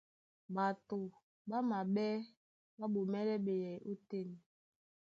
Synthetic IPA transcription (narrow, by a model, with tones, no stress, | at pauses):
ba˨to˨ | ɓa˦ma˨ɓɛ˦ | ɓa˦ɓo˨mɛ˦ɾɛ˦ɓe˨jɛ˨ʔu˦te˦˨n˨